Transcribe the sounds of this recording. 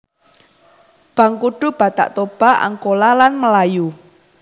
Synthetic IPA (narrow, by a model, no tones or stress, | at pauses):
b̥ä̤ŋkuɖ̥ṳb̥a̤t̪a̰ʔt̪ob̥a̤a̰ŋkolalanməlaju